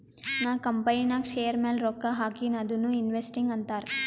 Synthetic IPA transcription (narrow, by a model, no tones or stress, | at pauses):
naːkɐmpɐjinaːkʃeːjɐɾmeːlɾoːkːaɦaːkinɐd̪unːuːinʋesʈiŋɡɐnt̪aːɾ